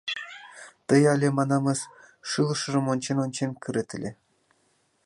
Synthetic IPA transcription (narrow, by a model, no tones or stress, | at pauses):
t̪ɤ̆jɑlʲemɑnɑmɤ̆s | ʃɯlˠɤ̆ʃɤ̆rɤ̆monʲt͡ɕenonʲt͡ɕenʲkʲɘ̆ɾĕt̪ʲɘ̆lʲe